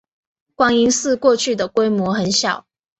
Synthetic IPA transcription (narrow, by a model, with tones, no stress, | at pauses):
kwɑ˨˥ŋi˧˥ŋsɹ̩˥˧kwɔ˥˧t͡ɕʰy˥˩d̪ə˩kwe˥ɪmwɔ˧˥xə˨˦nɕjɑ˨˩˦ʊ